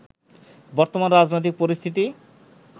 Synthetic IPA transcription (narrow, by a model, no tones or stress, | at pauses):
bɔɾt̪omanɾad͡ʑnojt̪̬ik̚poɾist̪ʰit̪̬i